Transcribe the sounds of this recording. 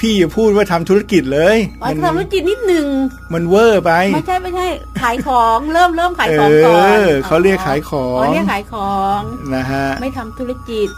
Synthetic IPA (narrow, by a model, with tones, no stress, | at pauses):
pʰiː˥˩ja˨˩pʰuː˥˩t̪̚waː˥˩t̪ʰa˧mt̪ʰuː˦˥ɾa˧˩ki˨˩t̪̚lɤː˧jm˧˩a˧nʰa˩t̪u˧˥ki˨˩t̪̚ni˦˥t̪̚nɯ˨˩ŋ | ma˧nwɤː˥˩pa˧ja˥˩jt͡ɕʰa˥˩jma˦˥˩jt͡ɕʰa˥˩jkʰaː˨˩˦jkʰɔː˩˦ŋɾɤː˥˩mɾɤː˥˩mkʰaː˨˩˦kʰɤː˦˧˩kʰa˦˥˩wɾi˥˩əkʰːaː˩˦jkʰɔː˩˦˥ŋi˥˩əkʰaː˩˦jkʰɔː˩˦ŋna˦˥kʰa˦˥ʔma˥˩jt̪ʰa˧mt̪ʰu˦˥ɾa˧˩ki˨˩t̪̚